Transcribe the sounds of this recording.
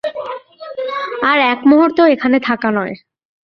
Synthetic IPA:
aɾɛkmoɦoɾt̪oekʰanet̪ʰakanɔe

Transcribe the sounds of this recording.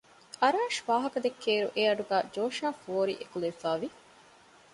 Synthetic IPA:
ɐɾaːʃʋaːɦɐkɐd̪ekʰːeːɾṵʔeːɐɖuɡæːd͡ʒoːʃaːfoːɾḭʔekuleifaːʋi

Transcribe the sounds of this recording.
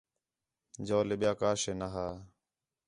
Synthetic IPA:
d͡ʒoːleɓɪjaːkaːʃeːnaɦaː

